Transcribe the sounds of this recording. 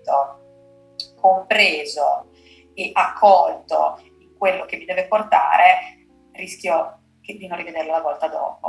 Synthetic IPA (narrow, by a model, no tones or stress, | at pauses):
t̪o | kompɾeːzo | eʔakʰːɔlt̪o̰ | iŋkwelːok̟emːid̪ɛːveport̪a̰ːɾe | riskʲjo | d̪inonrived̪erlolavɔlt̪ad̪ɔ̰ːpo̰